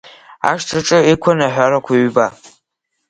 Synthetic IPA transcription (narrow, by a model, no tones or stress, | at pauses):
a̰ʃʈ͡ʂʰʼɨʈ͡ʂʼɨikʷʰɔnaħʷᶣaɾɐkʷʰaɥba